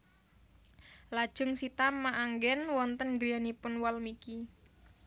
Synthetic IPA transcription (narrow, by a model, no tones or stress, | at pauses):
lad̥ʒ̥ʊ̤ŋsit̪ammaʔaŋɡɛnwɔnt̪ənɡɾianipʊnwalmiki